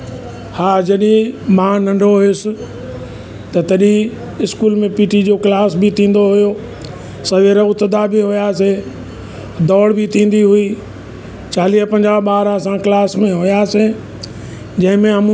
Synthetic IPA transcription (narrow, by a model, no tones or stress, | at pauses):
haːd͡ʑɐɗĩmãːnɐ̃ɳɖʱoɦʊjʊsɪ̆ | t̪ɐt̪ɐɗĩ | ɪskuːlmẽpiːʈid͡ʑoklaːsbɪt̪ʰĩːn̆d̪oɦʊjo | sɐʋeɾəʊt̪əd̪abɪɦʊjaːse | d̪ɔːɽbʱɪt̪ʰĩːn̆d̪iɦʊi | t͡ɕaːliːɦpɐ̃ɲd͡ʑaːʋɓaːɾasãklaːsmẽɦʊjaːse | d͡ʑɐ̃ɦɪ̃mẽɦɐm